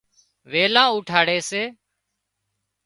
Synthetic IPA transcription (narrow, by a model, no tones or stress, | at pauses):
ʋeːlãːuːʈʰaːɽeːseː